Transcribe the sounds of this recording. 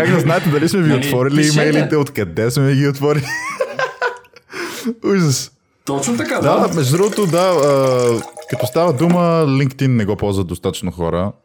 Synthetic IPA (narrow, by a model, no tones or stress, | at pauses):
kaɡd̪ɐznaɛt̪ɛd̪ɐlismɛviot̪vɔɾiliimɛjlit̪ɛot̪kɐd̪ɛsmɛɛɡiot̪vɔɾili | uʒɛs | t̪ɔt͡ʃnot̪ɐkad̪amɛʒud̪ɾuɣot̪od̪aəkɐt̪ɔst̪avəd̪uməliŋkt̪inːɛɡɔpɔlˠzvəd̪ost̪at̪ə̥t͡ʃnoxɔ̰ɾə̰